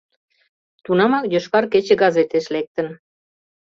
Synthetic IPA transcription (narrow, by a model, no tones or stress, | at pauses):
t̪unɑmɑkjøʃkɑrket͡ɕĕɡɑzet̪eʃlek̚t̪ə̆n